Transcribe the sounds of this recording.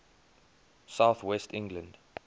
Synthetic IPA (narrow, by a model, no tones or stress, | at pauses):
saʊθwɛstɪ̃ŋɡlə̃nd